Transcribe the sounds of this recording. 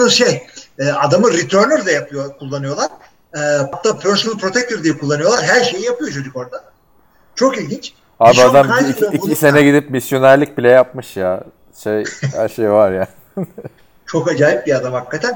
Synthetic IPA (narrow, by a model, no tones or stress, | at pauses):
ɯʃejɛːad̪amɯɾit̪ʰøɾnʲyɾd̪ajapokʰulˠːanɯjo̞lˠaɾ̥ | ɛːbap̚t̪apʰøɾsunɯlˠpʰɾo̞t̪ʰɛk̚t̪ʰøɾd̪ijɛkʰulˠːanɯjo̞lˠaɾɦæɾʃe̞jijapɯjo̞t͡ʃʰod͡ʒ̪yko̞ɾd̪a | t͡ʃʰo̞kilʲɟʲint͡ʃ | aːbiad̪amise̞nɛɟid̪ipmisjo̞næɾlʲic̚bilʲɛjap̚mɯʃja | ʃeja̰ʃejvaɾjaː | t͡ʃʰo̞kad͡ʒaːjip̚biad̪amhakːat̪ʰæn